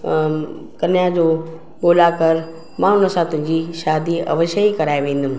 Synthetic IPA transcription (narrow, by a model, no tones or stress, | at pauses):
kɐnijad͡ʑoː | ɠoːlakɐɾ | mãʊnə̆sãt̪ʊ̃ɦɪ̃ɲd͡ʑiʃaːd̪iɐ̰ʋəʃəikɐɾaːeʋẽːnd̪ʊmɪ̃